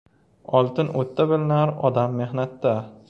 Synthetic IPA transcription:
ɒlˠt̪ɪnot̪ːabɪlɪnaɾɒd̪amːe̞hnat̪ːa

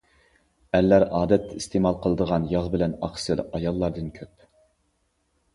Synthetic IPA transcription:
ælːæɾɑːd̪ɛt̪ʰːɛist̪emɑlˠqʰəlˠəd̪əʁɑnjɑʁbɪlɛnɑχsɨlɑjɑlˠːɑɾd̪ɨnkʲʰøp

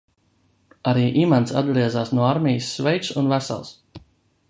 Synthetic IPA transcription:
aɾiːʔimant̪sa̰d̪̚ɡɾiɛzaːsnuɔaɾmʲɛjəsːvɛjt̪sunvæsa̰lˠs

